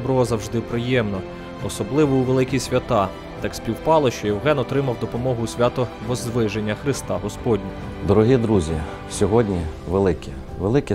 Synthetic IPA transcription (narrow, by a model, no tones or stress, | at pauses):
bɾɔɔzɐwʒd̪ɪpɾɪjɛmnɔ | ɔsɔblˠɪʋɔuʋelˠɪkʲisʲʋʲɐt̪ɑ | t̪ɑksʲpʲiwpɑlˠɔʃt͡ʃɔjɛwɦɛnɔt̪ɾɪmɐwd̪ɔpɔmɔɦʊsʲʋʲat̪ɔ | ʋɔzd̪ʋɪʒenʲːɐxɾɪst̪ɑ̰ɦɔspɔdʲnʲi | d̪ɔɾɔɦʲid̪ɾuzʲi | sʲɔɦɔdʲnʲi | ʋelˠɪkʲi | ʋelˠɪkʲi